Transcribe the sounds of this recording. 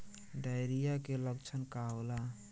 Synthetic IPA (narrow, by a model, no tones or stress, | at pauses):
ɖajɾijakeləɡt͡ʃʰənkawla